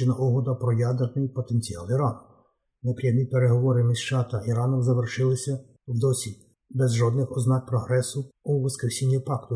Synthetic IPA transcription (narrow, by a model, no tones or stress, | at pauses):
ɪnɐʔɔɦɔd̪ɐpɾɔjɑd̪ernɪjpɔt̪e̞nʲt͡sʲijɑ̰lˠiɾɑn | nepɾʲijɛɦnʲipeɾeɦɔʋɔɾɪmizʃt͡ʃɑt̪ɐʔiɾɑnɔmzɐʋerʃɪlˠɪsʲɐ | wd̪ɔsʲi | bɛzʒɔd̪nɪxɔznɑk̚pɾɔɦɾɛsʊuʋɐskɾesʲinʲːipɑkt̪ʊ